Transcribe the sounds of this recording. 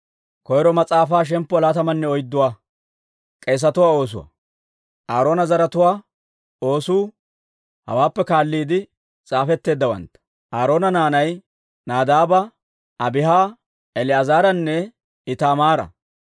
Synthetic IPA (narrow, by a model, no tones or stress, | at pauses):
kɔjɾɔmɐt͡sʼaːfaːʃ̬ɛmpːɔlaːt̪ɐmɐnːɛɔjd̪ːʊwaː | kʼeːs̬ɐt̪ʊwaːo̞ːs̬ʊ̰wɐ̰ | ʔaːɾo̞ːnɐzɐɾɐt̪ʊwaː | o̞ːsuː | hɐ̰waːpːɛkaːlːiːd̪ɪ | t͡sʼaːfɛt̪ːe̞ːd̪ːɐwɐ̰nt̪ːɐ̥ | ʔaːɾo̞ːnɐnaːnɐj | naːd̪aːbɐ | ɐbɪɦaː | ɛlɪɐzaːɾɐnːɛ | ɪt̪aːmaːɾɐ̰